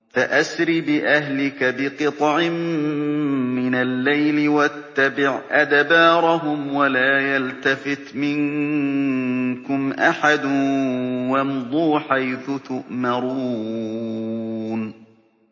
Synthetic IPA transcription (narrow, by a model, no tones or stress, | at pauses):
faʔasɾibɪʔahlɪkabɪqɨt̪ˤʕɪmː | ɪnalːajlɪwat̪ːabɪʕʔad̪bɑːɾˤɑɦʊmwalaːjalt̪afɪt̪mɪŋ | kʊmʔaħad̪ʊnwamd̪ˤuːħajθʊt̪ʊʔmɑɾuː | n